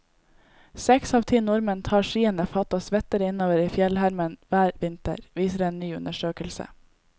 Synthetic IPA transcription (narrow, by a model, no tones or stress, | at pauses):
sɛksɑːʋt̪ʰiːnʊɾmənt̪ʰɑːʃiːənəfɑt̪ɑsʋɛt̪əɾəɪnoːʋəɾiːfjɛlhæɾmənʋæːɾʋɪnt̪ə̰ɾʋiːsəɾeːnnyːʉnəʃøːkəlsə̰